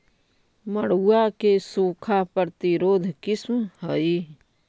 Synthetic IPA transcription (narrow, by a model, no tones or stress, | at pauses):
məɽuːakesuːkʰapəɾt̪iɾoːd̪ʱkɪsmhəi